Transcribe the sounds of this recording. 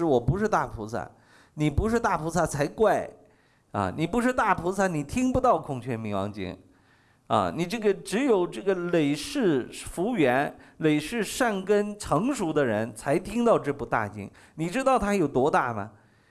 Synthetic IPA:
wɔ˨˩pu˧˥ʂɻ̩˥˧t̪a˥˩pʰu˧˥sa̰˥˩ | ni˨˩pu˧˥ʂɻ̩˥˧t̪a˥˩pʰu˧˥sa˥˩t͡sʰa˧˥ɪkwa˥˩ɪ | ɐ̰˧˩ni˨˩pu˧˥ʂɻ̩˥˧t̪a˥˩pʰu˧˥sa˥˩ni˨˩t̪ʰi˥ŋpu˧t̪ɑ˥˩˧ʊkʰʊ˥˩ŋt͡ɕʰɥɛ˥˩nmi˧˥ŋwɑ̰˧˥ŋt͡ɕḭ˥ŋ | ɐ̰˧ni˨˩ʈ͡ʂɤ˥˩ɡə˩ʈ͡ʂɻ̩˧˥jo˨˩ʊʈ͡ʂɤ˥˩ɡə˩le˨˩ɪʂɻ̩˥˩fu˧˥ɥɛ˧˥nle˨˩ɪʂɻ̩˥˧ʂa˥˩nkə˥nʈ͡ʂʰɤ˧˥ŋʂu˧˥d̪ə˧ɻə˧˥nt͡sʰa˧˥ɪt̪ʰi˥ŋt̪ɑ˥˧ʊʈ͡ʂɤ˥˧pu˧˥t̪a̰˥˩t͡ɕḭ˥ŋ | ni˨˩ʈ͡ʂɻ̩˥t̪ɑ˥˩ʊt̪ʰa˥jo˨˩ʊt̪wɔ˥t̪a˥˩mɐ̰˩

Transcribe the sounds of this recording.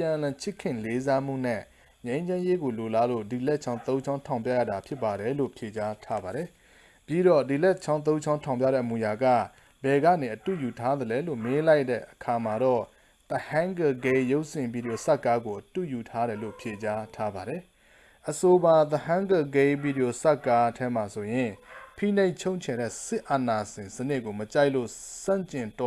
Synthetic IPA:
pjã˨ʔlã˨t͡ɕʰɪ˦˨kʰːɪ̃˦˨le˦za˦m̥ṵ˦˨n̥ɛ̰˦˨ | ɲẽ˦ɪ̃ɲd͡ʑã˦je˦ɡo˨lo˨la˨lo̰˦˨di˨lɛ˦ʔt͡ɕʰã˦ʊ̃nt̪õ˦ʊ̃t͡ɕʰã˦ʊ̃tʰã˨ʊ̃p̬ja̰˦˨ja̰˦˨da˨pʰjɪ˦pːa˨ɾɛ˨lo̰˦˨pʰje˨t͡ɕa˦tʰa˦ba˨ɾɛ˨ | pji˦ɾɔ˦˨di˨lɛ˦t͡ɕʰã˦ʊ̃nt̪̬õ˦ɲt͡ɕʰã˦ʊ̃tʰã˨ʊ̃p̬ja̰˦˨ɾɛ̰˦˨mu˨ja˨ɡä̰˦˨ | bɛ˨ɡä̰˦˨ne˨ʔətṵ˦˨ju˨tʰa˦d̪əlɛ˨˦lo˦˨me˦la˦ɪtːɛ̰˦˨ʔəkʰa˨ma˨ɾɔ˦˨ | t̪ə˨hã˦ŋɡə˨ɡe˦jo˦ʊʔsɪ̃˨bi˨ɾi˨o˨sa˦ʔkːa˦ɡo˨ʔətṵ˦˨ju˨tʰa˦ɾɛ˨lo̰˦˨pʰje˨t͡ɕa˦tʰa˦ba˨ɾɛ˨ | ʔəso˨ba˨t̪əhã˦ŋɡə˨ɡe˦bi˨ɾi˨jo˨sa˦˨kːa˦tʰɛ˦m̥a˨so˨jɪ̃˨pʰḭ˦˨ne˦ɪʔt͡ɕʰõ˦ʊɲt͡ɕʰɛ˨ɾɛ̰˦˨sɪ˦ʔa˨na˨ɕɪ̃˨nsənɪ˦ʔko˨mət͡ɕa˦ɪʔlo̰˦˨sã̰˦˨ɲt͡ɕɪ̃˨ntɔ˦

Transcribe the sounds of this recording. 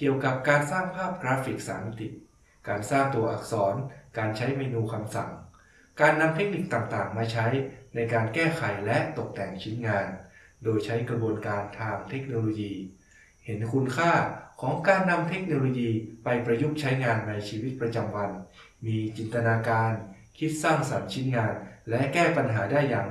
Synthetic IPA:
ki˨˩əwka˨˩p̚kaː˧nsaː˥˩ŋpʰaː˥˩p̚kɾaː˦˥fi˨˩k̚sa̰ː˩˦ma˧t̪i˨˩ | kaː˧nsaː˥˩ŋt̪u˧ɐʔa̰˨˩k̚sɔː˩˦nkaː˧nt͡ɕʰa˦˥jmeː˧nuː˧kʰa˧msa˨˩ŋ | kaː˧nːa˧mt̪ʰe˦˥k̚ni˨˩k̚t̪a˨˩ŋt̪aː˨˩ŋmaː˧t͡ɕʰa˦˥jna˧jkaː˧nkɛː˥˩kʰa˩˦jlɛ˦˥ʔt̪o˨˩k̚t̪ɛ˨˩ŋt͡ɕʰi˦˥nŋaː˧n | doː˧jt͡ɕʰa˦˥jkɾa˧bu˧ənkaː˧nt̪ʰaː˧ŋt̪ʰe˦˥k̚noː˧loː˧jiː˧ | he˩˦nkʰu˧nkʰaː˥˩kʰɔː˩˦ŋkaː˧nːa˧mt̪ʰe˦˥k̚noː˧loː˧jiː˧pa˧jpɾa˧ju˦˥˩k̚t͡ɕʰa˦˥jŋaː˧nːa˧jt͡ɕʰiː˧wi˦˥t̪̚pɾa˧t͡ɕa˧mwa˧nmiː˧t͡ɕi˨˩nt̪a˧naː˧kaː˧n | kʰi˦˥t̪̚saː˥˩ŋsa˨˩˦nt͡ɕʰi˦˥nŋaː˧nlɛ˦˥ʔkɛː˥˩pa˧nɦaː˩˦daː˥˩jːaː˨˩ŋ

